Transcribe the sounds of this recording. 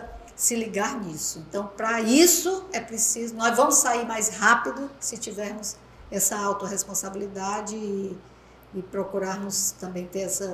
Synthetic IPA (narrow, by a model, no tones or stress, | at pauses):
sɪliɡaɾnisʊẽnt̪ɐ̃w̃pɾɐisʊɛpɾesizʊnɔjzvɐ̃mʊsːaiɾmajshapid̪ʊsɪt͡ʃivɛɾmʊs | ɛsɐawt̪oɦespõsabilid̪ad͡ʒɪɪː | pɾokuɾaɾmʊst̪ɐ̃mbẽj̃t̪eɾɛsɐ